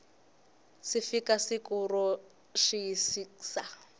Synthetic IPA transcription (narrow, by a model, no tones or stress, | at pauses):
sifikasikʼurɔ | ʂiisiksa